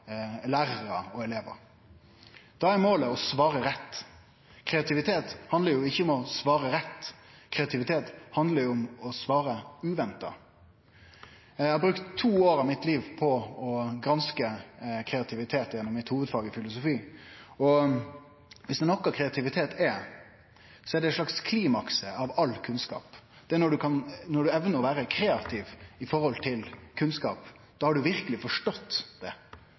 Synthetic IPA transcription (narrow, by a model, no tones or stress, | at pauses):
læːʁəʁəɔɛleːʋə̰ɾ | d̪̥ɑæmoːləɔsʋɑːɾəɾɛt̪ː | kʰɾɛɑt̪ʰɪʋɪt̪ʰeːt̪hɑnd̪əɾjʊɪçːəʊmɔsʋɑːʁəɾɛt̪ːkʰɾɛɑt̪ʰɪʋɪt̪ʰeːt̪hɑnd̪ləɾjʊʊmɔsʋɑːɾəʉːʋɛnt̪ɑ̰ | æɪhɑbɾʉkt̪ʰːuːoːɾɑʋmɪt̪liːʋpʰɔɔɡɾɑnskəkʰɾɛɑt̪ʰɪʋɪt̪ʰeːt̪jɛnːɔmmɪt̪huːʋəd̪fɑːɡəfɪlʊsʊfiːɔ | ʋɪsd̪ɛnɔkːɑkʰɾɛɑt̪ɪʋɪt̪ʰeːt̪ʰɛ | sɔɛɖɛʂlɑkskʰliːmɑksəɑʋɑlːkʰʉnskɑ̰ːp | d̪̥ɛnɔɖʉkʰɑnnɔɖʉɛʋnəɔʋæːɾəkʰɾeːɑt̪ʰɪʋɪfɔɾhɔlt̪ʰɪlkʰʉnskɑ̰ːp | d̪̥ɑːhɑɖʉʋɪɾkəlɪfɔʂʈɔt̪ːd̪̥ɛ